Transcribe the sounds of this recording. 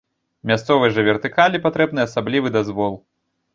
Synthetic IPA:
mʲast̪sɔvɨjʐɐvʲɛrt̪ɨkalʲipat̪ɾɛbnɨjasablʲivɨd̪azvɔlˠ

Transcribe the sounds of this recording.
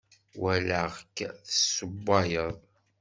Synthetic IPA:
wæləʁkːθəsːəbːɑjəðˤ

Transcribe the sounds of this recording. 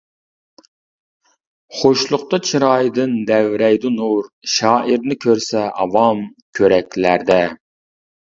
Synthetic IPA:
χoʃlˠʊqt̪ɑt͡ʃʰiɾɑjd̪ɨnd̪ɛwɾɛjd̪ɨnuɾʃɑːʔiɾnɪkʲʰøɾsɛʔɑvɑmkʲʰøɾɛkʲlæɾd̪ɛ

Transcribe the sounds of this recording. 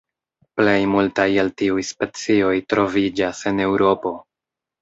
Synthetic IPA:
ple̞jmultajeltiujspe̞t͡sio̞jtɾo̞vid͡ʒase̞ne̞wɾʔo̞po̞

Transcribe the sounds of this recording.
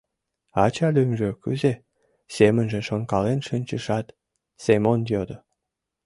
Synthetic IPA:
ɑt͡ɕɑlʲymʒøkyze | semənʒə̆nʃonkɑlenʃənʲt͡ɕəʃɑt̪ | semonjod̪ə

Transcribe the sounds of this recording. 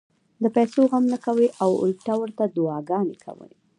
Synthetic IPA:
d̪əpajsoɣamnəkaweʔawʊ̰lʈawəɾt̪ad̪ʊɑɡɑnekʰa̰wə̰n

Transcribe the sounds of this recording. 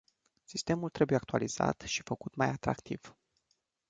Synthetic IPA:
sist̪e̞mult̪ɾe̞bujeakt̪ualiz̥a̰t̪ʃi̥fəkut̪majat̪ɾa̰kt̪ḭv̥

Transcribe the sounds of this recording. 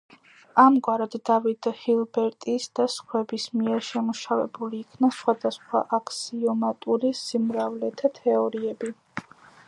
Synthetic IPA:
amɡwaɾad̪̥ːavid̪hilˠbɛɾt̪ʼisd̪̥asχwɛbismiɛɾʃɛmuʃavɛ̰buliːkʰnasχwad̪asχwa̰ʔakʰsiɔmat̪ʼuɾisimɾavlɛt̪ʰat̪ʰɛɔɾiɛbi

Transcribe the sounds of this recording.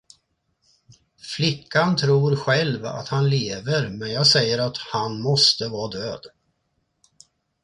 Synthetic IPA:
flɪkːant̪ʰɾuːɾɧɛlva̰t̪hanleːvəɾmɛnjɑːɡsɛjːəɾat̪hanmɔst̪əvɑːd̪øːd̪

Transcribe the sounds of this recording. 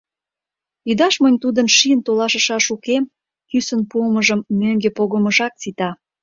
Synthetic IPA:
jyd̪ɑʃmənʲt̪ud̪ənʃiənt̪olɑʃəʃɑʃukem | kysənpuəməʒəmːøŋɡepoɣəməʒɑk̚t͡sit̪ɑ

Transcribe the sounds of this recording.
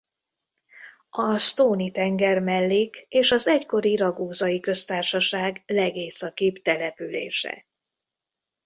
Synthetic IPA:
ɒst̪oːnit̪ɛŋɡɛrmɛlːikeːʃɒzɛcko̞ɾiɾɒɡoːzɒjikø̞st̪aːrʃɒʃaːɡlɛɡeːsɒkipt̪ɛlɛpylḛːʃɛ̰

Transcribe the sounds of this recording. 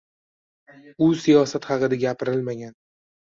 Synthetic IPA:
ʊsijɒsat̪χɑqɨd̪aɡʲapʰɪɾɪlmaɡʲan

